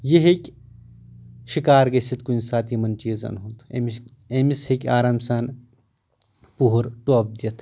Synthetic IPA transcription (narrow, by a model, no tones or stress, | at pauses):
jeɦekʲ | ʃikaːɾɡesit̪kuinsaːt̪imɐnt͡ʃiːzɐ̰nɦut̪ḛm | emishikʲaːɾaːmsaːn | puɦuɾʈuɐb̚d̪jɐt̪ʰ